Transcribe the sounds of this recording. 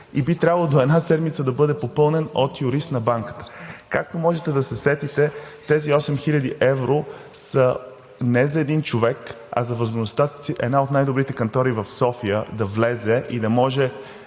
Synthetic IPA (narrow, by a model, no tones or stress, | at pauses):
ibit̪ɾʲabəlˠəd̪oɛd̪nasɛd̪mit̪səd̪ɐbɤd̪ɛpopɤlˠnɛnot̪jʊɾist̪nɐbaŋkə̥t̪ə̥kak̚t̪omɔʒɛt̪ɛd̪ɐsɛsɛt̪it̪ɛt̪ɛziɔsɛmxilʎʲɐd̪iʔɛvɾo | sə | nɛzɐɛd̪int͡ʃovɛk | ɐ̰zɐvəzmoʒnost̪at̪siʔɛ̰d̪naot̪najd̪obɾit̪ɛkɐnt̪ɔɾivɐfsɔfijəd̪ɐvlɛzɛʔid̪ɐmɔʒɛ